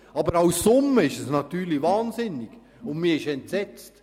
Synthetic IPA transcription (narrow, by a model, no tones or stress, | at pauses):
ɑbəɾaʊsːʊmːəɪʃɛsnɑtyːɾlivɑːnsɪnɪɡ̥ | ʊndmiːɐɪʃɛntsɛt͡st